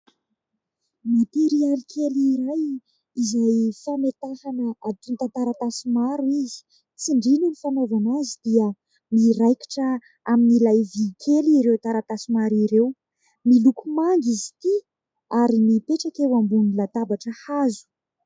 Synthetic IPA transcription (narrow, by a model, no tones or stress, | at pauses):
mat̪eɾialikʰeliɾaj | izajfamet̪afanəat̪unt̪ant̪aɾat̪asimaɾuizi̥ | t͡siɳɖ͡ʐinunifanovanazid̪̥iə | miɾajki̥ʈ͡ʂə | aminilajvikʰʲeliɾewt̪aɾat̪asimaɾiɾew | milukumaŋɡizi̥t̪i | aɾimipeʈ͡ʂakewambunilat̪abaʈ͡ʂəhazu̥